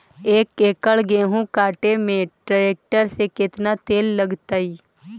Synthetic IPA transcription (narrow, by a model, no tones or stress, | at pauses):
eːkeːkəɭɡeːɦũkaːʈemẽʈaːeːk̚ʈəɾsekɪt̪nat̪eːlːəɡt̪aːiː